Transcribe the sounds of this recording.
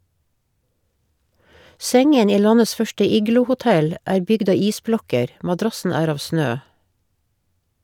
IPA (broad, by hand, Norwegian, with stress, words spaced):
ˈsɛŋən ˈiː ˈlɑnəs ˈfœʃʈə ˈiːɡlʊhʊˌtɛl ˈæːɾ ˈbʏɡd ˈɑː ˈiːsˌblɔkəɾ ʔmɑˈdɾɑsn̩ ˈæːɾ ˈɑːʋ ˈsnøː